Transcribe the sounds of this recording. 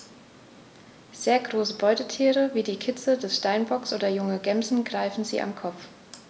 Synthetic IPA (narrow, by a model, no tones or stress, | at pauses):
z̥eːɐɡʁoːsəbɔʏtətʰiːʁəviːdiːkʰɪt͡sədɛsʃtaɪnbɔksʔoːdɐjʊŋəɡɛmzn̩ɡʁaɪfn̩zḭːʔa̰mkʰɔp͡f